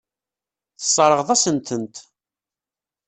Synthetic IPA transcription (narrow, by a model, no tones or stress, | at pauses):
θə̥sˤːɾˤəʁðˤæsənt̪ʰənt̪